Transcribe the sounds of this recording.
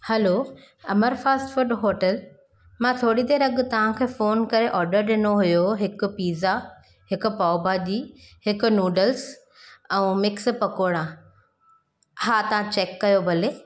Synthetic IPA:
hɐlo | ɐməɾfaːsʈfʊɾɖɦoːʈəl | mãt̪ʰoːɽid̪eːɾɐɠt̪ɐʋ̤ãkʰeːfoːnkɐɾeʔɔːɾɖəɾɗɪnoɦʊjoɦɪkʊ̆piːza | ɦɪkʊ̆paːbaːd̪iːhɪkʊ̆nuːɖəls | ɛ̃ːmɪkspɐkoɽ̃ã | hat̪ɐʋ̤ãt͡ɕeːkːɐjobɐleː

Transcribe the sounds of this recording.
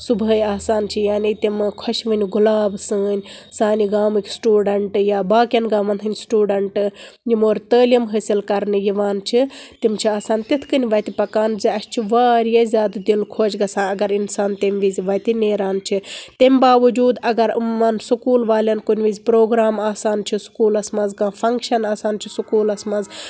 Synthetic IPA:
subʱəːjaːsaːnt͡ʃʰijaːnit̪imkʰɔʃʋɨnʲɡulaːbsəːnʲsaːniɡaːmɨkʲi̥sʈuːɖɐɳʈɨjaːbaːkʲjɐnɡaːmɐnt̪ʰɨnʲsʈuːɖɐɳʈɨjimoːɾt̪əːlʲɐmɦəːsilkɐɾnɨjiʋaːnt͡ʃʰit̪imt͡ʃʰiaːsaːnt̪it̪ʰkɨnʲiʋɐt̪ipɐkaːnziɐst͡ʃʰiʋaːɾjɐzʲaːd̪d̪ilkʰoːd͡ʒɡɐsãːɐɡɐɾinsaːnt̪emʲʋizʲiʋɐt̪ineːɾaːnt͡ʃʰit̪emʲbaːʋɐd͡ʒuːd̪ɐɡɐɾmːɐnsukuːlʋaːlʲɐnkunʲʋizʲpɾoːɡɾaːmaːsaːnt͡ʃʰisu̥kuːlɐsmɐnzɡaːfʰɐŋkʃɐnaːsaːnt͡ʃʰisukuːlɐsmɐnz

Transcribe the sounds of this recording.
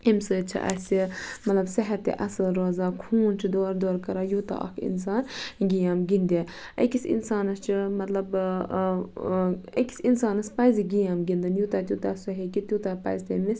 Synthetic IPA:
emsɨːt͡ʃʰḭʔɐ̰simɐt̪lɐbsɐɦɐt̪ːḛʔɐsɐlɾoːzaːkʰuːnt͡ʃʰid̪oːɾd̪oːɾkɐɾaːjut̪a̰ʔɐ̰kʰḭns̬aːnɡijaːmɡind̪ʲe | ɐ̰kʲisḭnsaːnɐst͡ʃʰimɐt̪lɐb | ɐ̰kʲi̥sinsaːnɐspɐjziɡijaːmɡind̪ɨnjuːt̪aːt̪ʲut̪aːsɐɦekit̪ʲjut̪aːpɐ̰jzʲt̪eːmisʲ

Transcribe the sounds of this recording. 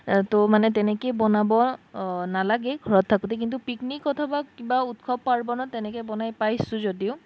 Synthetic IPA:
tomanɛtɛnɛkejbɔnabɔnalaɡɛɡʱɔɹɔtʰːakut̬ɛk̬int̬upiknikːɔtʰabakibaut̚kʰɔbpaɹbɔnɔtɛnɛkɛjbɔnajpajsʊ̃zodiʊ

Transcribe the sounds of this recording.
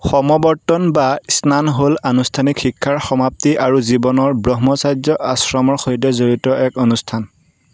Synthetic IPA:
xɔmɔbɔɹtɔnbaisnanɦolanustʰanikxikʰːaɹxɔmap̚tiʔaɹuzibɔnɔɹbɹɔɦmɔsajd͡ʒɔʔasɹɔmɔɹxojdɛzoɹitɔʔɛkonustʰan

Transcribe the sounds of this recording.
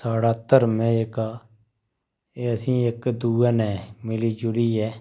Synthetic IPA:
saːɽaːt̪ːəɾmɛ̃ːɪkaː | eːəsĩːɪkd̪uːaːnɛ̃ːmɪliːd͡ʒʊɾiːɛː

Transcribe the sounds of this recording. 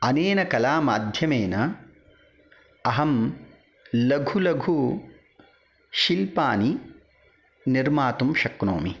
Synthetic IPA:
ɐneːnɐkɐlaːmaːd̪ʱjɐmeːnɐ | ɐɦɐm | lɐɡʱulɐɡʱu | ʃilpaːni | niɾmaːt̪umʃɐkno̰ːmi

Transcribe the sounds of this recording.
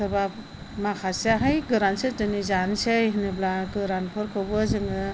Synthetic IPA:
sɯbap̚ | makʰaseɦajɡɯɾansetɯnizanseɦinɯblaɡɯɾanpʰɯɾkʰɯwbɯzɯŋɯ

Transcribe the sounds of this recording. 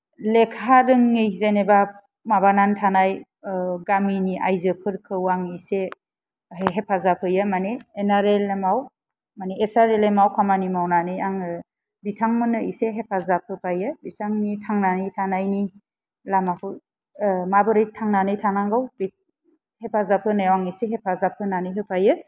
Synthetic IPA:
lekʰaɾɯŋːejzeneba | mabanantʰanaj | ɡaminiʔa̰jzɯpʰɯɾkʰɯwaŋise | eɦepʰazapʰɯjɯmaneːnaɾelemaw | maneesaɾelemawkʰamanimawnanɯjaŋɯ | bitʰaŋmɯnɯiseɦepʰazap̚ʰɯpʰajɯbitʰaŋnitʰaŋnanɯjtʰanajni | lamapʰɯ | mabɯɾɯjtʰaŋnanɯjtʰanaŋɡawb | hepʰazapʰɯnajawaŋiseɦepʰazapʰɯnanɯjɦɯpʰajɯ

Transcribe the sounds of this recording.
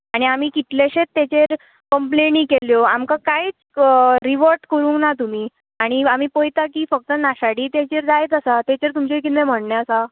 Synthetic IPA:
aɽ̃iam̤iːkit̪leɕet̪ːet͡ɕeɾ | kəmplenĩːkeljoamkakajt͡s | ɾiʋəɾʈkəɾũːŋnat̪um̤iː | aɽ̃iam̤iːpojt̪akiːfək̚t̪ənaɕaɽiːt̪et͡ɕeɾd̪ajet̪əsat̪et͡ɕeɾt̪umt͡ɕekinem̤əɽɳjaəsa

